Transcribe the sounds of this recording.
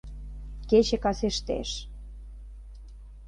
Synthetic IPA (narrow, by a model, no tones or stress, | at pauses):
ket͡ɕĕkɑseʃt̪ḛʃ